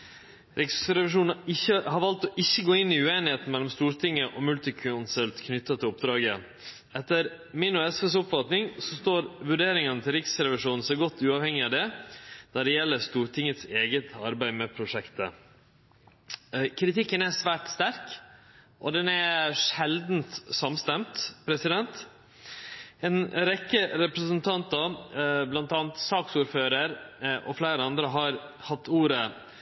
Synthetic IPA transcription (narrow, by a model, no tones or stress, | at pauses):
ɾɪksɾɛʋɪʂuːnɪçːəhɑɾʋɑlt̪ɔʔɪçːəɡoːɪnːɪʉeːnɪheːt̪n̩mɛlːɔmst̪uːɾt̪ʰɪŋːəʔɔmʉlt̪ɪkʰʉnsəlt̪kʰnʏt̪ːɑt̪ʰɪlɔp̚d̪ɾɑːɡə | ɛt̪ːəɾ | mɪnʊɛsfɛsʊpfɑt̪nɪŋsɔst̪oːɾʋʉɖeːɾɪŋənət̪ʰɪlɾɪksɾɛʋɪʂuːnn̩sɔɡɔt̪ːʉːɑːʋhɛŋːɪɑʋd̪ɛd̪̥æɖɛjɛlːəɾst̪uːɾʈ̪ʰɪŋːət̪seːɡət̪ʰɑɾbæɪmɛpʰɾʊʂɛkt̪ə̰ | kʰɾɪt̪ʰɪkːənæʂʋæːʈst̪æɾk | ʔɔd̪ɛnæʂɛld̪n̩t̪sɑmst̪ɛmt̪pʰɾɛsɪd̪ɛnt̪ | ɛnɾɛkːəɾɛpɾəsənt̪ʰɑnt̪ɑblɑnt̪ɑːnt̪sɑːksuːɾføːɾəɾʔɔflæːɾəɑnd̪ɾəɦɑɾhɑt̪ʰːuːɾə